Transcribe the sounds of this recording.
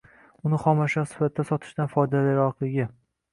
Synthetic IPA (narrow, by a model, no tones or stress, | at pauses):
ʊnɪχɒmaʃɒsɪ̥fat̪ʰdːasɒt̪ʰɪ̥ʃt̪anfɒjd̪alaɾɒqlˠɪɡʲɪ